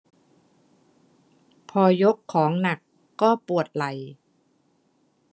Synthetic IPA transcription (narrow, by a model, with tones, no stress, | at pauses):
pʰɔː˧jo˦˥kʰːɔː˩˦ŋna˨˩kː | ɔː˥˩pu˨˩ət̪̚la˨˩˦j